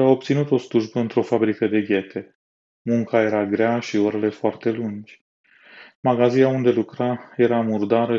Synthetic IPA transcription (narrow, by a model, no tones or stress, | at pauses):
awop̚t̪sinut̪o̞sluʒbəɨnt̪ɾo̞fabɾikəd̪e̞ɡʲe̞t̪ʰe̞ | muŋkaje̞ɾaɡɾeaʃioɾe̞le̞foart̪e̞lund͡ʒʲ | maɡazinaund̪e̞lukɾaje̞ɾamurd̪aɾə